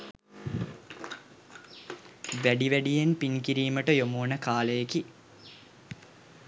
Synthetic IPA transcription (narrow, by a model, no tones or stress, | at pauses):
ʋæɖiʋæɖijenpinkiɾiːməʈəjomoːnəkaːləjeki